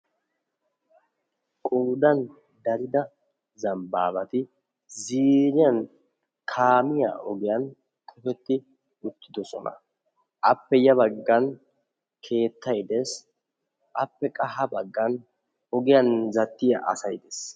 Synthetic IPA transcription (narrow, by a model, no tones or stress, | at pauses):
kʼoːd̪ɐn | d̪ɐɾɪd̪ɐ | zɐmbaːbɐt̪ɪ | ziːɾɪjɐn | kʰaːmɪja̰ːʔɔɡɪjɐn | k̪ʰʼɔfɛt̪ːɪ | ʊt̪ːɪd̪ɔsɔ̰nɐ̰ | ʔɐpːɛjɐbɐɡːɐn | kʰe̞ːt̪ːɐjd̪es | ʔɐpːɛkʼɐɦɐbɐɡːɐn | ɔɡɪjɐnzɐt̪ːɪja̰ʔɐ̰sɐjd̪es